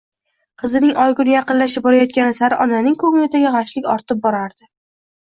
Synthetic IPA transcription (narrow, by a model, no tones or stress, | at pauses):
qʰɨzɪnɪŋɒjɡʊnɪjaqɨnlaʃ̬ɪp̚bɒɾajɒt̪̚kʲanɪsaɾɪʔɒnanɪŋkʰɵŋlɪt̪ʰaɡʲaʁaʃlɪkʲɒɾt̪ʰɪp̚bɒɾaɾd̪̥ɪ